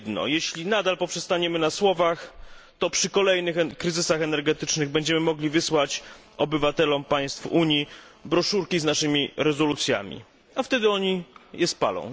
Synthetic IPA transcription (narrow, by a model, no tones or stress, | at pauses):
d̪nɔ̰jeɕlʲinad̪alpɔpʂɛst̪aɲɛmɘnaswɔvaxt̪ɔpʂɘkɔlɛjnɘxkɾɘzɘsaxɛnɛɾɡɛt̪ɘt͡ʂnɘɣbɛɲd͡ʑɛmɘmɔɡlʲivɘswat͡ɕ | ɔbɘvat̪ɛlɔmpaj̃st̪fuɲji | bɾɔʂuɾkʲiznaʂɘmʲiɾɛzɔlut̪sʲja̰mʲḭ | aft̪ɛd̪ɘɔɲijɛspa̰lɔ̰̃w̃